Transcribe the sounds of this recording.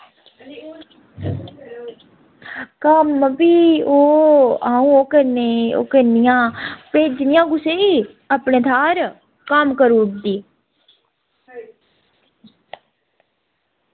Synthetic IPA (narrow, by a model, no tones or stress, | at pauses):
kəməpiːoːaːũːoːkəɾneo̰ːkəɾnɪjãːpeːd͡ʒnɪjãːɡʊseːiː | əpneːt̪ʰaːɾ | kəmkəɾuːʈd̪iː